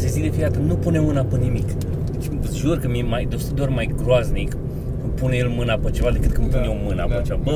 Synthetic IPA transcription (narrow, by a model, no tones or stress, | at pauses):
sezikd̪efijat̪ənupunemːɨnapənimik | d̪et͡ʃʲʒurkəmiemajd̪ost̪əd̪ormajɡɾoaznik | kɨnpunejelmɨnapət͡ʃe̞vad̪e̞kɨt̪̚kɨnpunemɨna̰pat͡ʃeabə